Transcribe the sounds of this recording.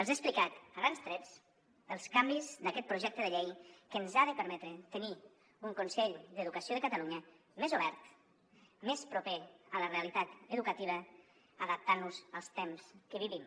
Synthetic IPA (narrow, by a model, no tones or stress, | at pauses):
əlˠzesplikat̪əɣɾanzt̪ɾɛs | əlˠskambizd̪əkɛt̪̚pɾuʒɛk̚t̪əðəʎejkənzaðəpəɾmɛt̪ɾət̪əni | uŋkunsɛʎd̪əðukəsioðəkət̪əluɲə | mezuβ̞ɛɾt̪ | mespɾupeələreəlit̪at̪əðukət̪iβ̞ə | əðəp̚t̪anːuzəlˠst̪ɛmskəβiβim